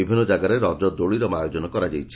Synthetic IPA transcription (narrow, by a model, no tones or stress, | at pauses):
ibʱinːɔd͡ʒaɡaɾeɾɔd͡ʒɔd̪oɭiɾɔmajod͡ʒɔnɔkɔɾad͡ʒajt͡ʃʰi̥